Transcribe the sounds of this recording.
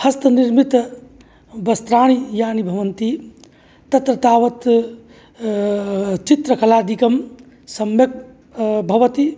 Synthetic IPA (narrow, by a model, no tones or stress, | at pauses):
hɐst̪əniɾmit̪ | bɐst̪ɾaːɽ̃ijaːnibʱɐʋənt̪i | t̪ɐt̪ɾɐt̪aːʋɐt̪ | t͡ʃit̪ɾəkɐlaːd̪ikəm | sɐmjek̚ | bʱɐʋət̪i